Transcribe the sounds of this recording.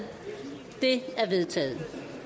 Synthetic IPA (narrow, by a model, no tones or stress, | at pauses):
d̥e̝æɐʋe̝ðˠt͡sʰɛ̰ːð̩ˠ